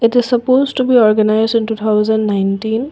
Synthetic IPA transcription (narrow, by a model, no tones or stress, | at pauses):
ɪtɪz̥sɐpoztubiɔɹɡənajzdĩntut̪ʰaʊzənnajntĩn